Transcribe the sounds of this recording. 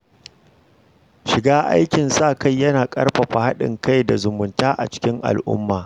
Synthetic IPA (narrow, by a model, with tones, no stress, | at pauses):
ʃɪ˨ɡaː˦ʔa̰˦jkʲɪ˨nsaː˦˨ka˦˨jːɐ˦naː˨kʼɐ̰˦rɸa˨ɸa˨ha˦ɗɪ̰˨ŋka˦jda˨zʊ˨mʊ˨ntaː˦ʔa̰˨t͡ʃɪ̥˦kʲɪ˦ŋʔa̰˨lʔʊ̰˦mːaː˨